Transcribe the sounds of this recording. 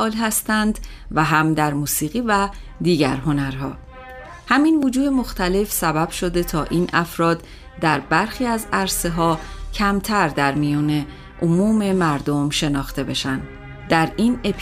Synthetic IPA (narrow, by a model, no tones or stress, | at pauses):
ʔɒːlɦæst̪ænd̪ | væɦæmd̪æɾmuːsiːɣiːvæd̪iːɟæ̰ɾɦo̞næɾɦɒ̰ː | hæminvod͡ʒuːd̪emo̞xt̪ʰæle̞fsæbæb̥ʃo̞d̪e̞t̪ʰɒːʔiːnʔæfɾɒːd̪ | d̪æɾbæɾxiːæzæɾse̞ɦɒːcʰæmt̪ʰæɾd̪æɾmijɔːne̞ | ʔomuːme̞mæɾd̪o̞mʃe̞nɒːxt̪e̞be̞ʃænd̪ | d̪æɾiːnepʰ